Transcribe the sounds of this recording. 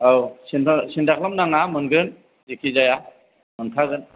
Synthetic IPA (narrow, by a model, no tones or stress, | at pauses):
awsinsindaklamnaŋamɯnɡɯn | zikʰizaja | mɯntʰaɡɯn